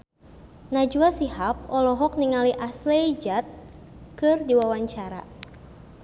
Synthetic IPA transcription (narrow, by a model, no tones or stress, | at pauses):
nad͡ʒuasihap̚ɔlɔɦɔk̚niŋaliʔasleid͡ʒat̪̚ | kɨrdiwawaɲt͡ʃaɾa̰